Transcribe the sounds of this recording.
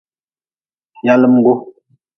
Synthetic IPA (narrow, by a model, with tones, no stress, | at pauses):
ja˦lə˦m̩˦ɡo˦